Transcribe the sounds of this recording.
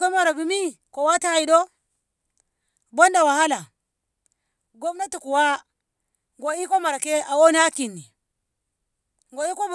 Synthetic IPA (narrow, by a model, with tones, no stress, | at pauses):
ko˦ma˨ɾa˨bi˨mi˦ | ko˨wa˦ta˦ha˨i˨do˦ | bo˦nda˨wa˨ha˦la˨ | ɡo˦mna˦tu˨ku˨wa˦ | ŋɡo˨i˦ko˦ma˨ɾa˨ke˦a˨wo˦ni˦a˦ki˨nːi˨ | ŋɡo˨i˦ko˦b